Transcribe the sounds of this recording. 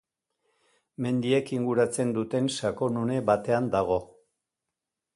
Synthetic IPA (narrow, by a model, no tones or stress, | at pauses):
me̞nd̪ie̞kiŋɡuɾat͡se̞nd̪ut̪e̞nʃako̞nune̞βat̪e̞and̪aɣ̞o̞